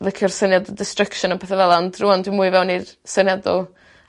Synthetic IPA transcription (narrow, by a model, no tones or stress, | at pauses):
lˠɪkʰjɔrsənjadɔlˠdɪstrəkʃɔnəpʰɛθɛvɛlˠandruɔndwimuːɨvɛwnirsənjadɔlˠ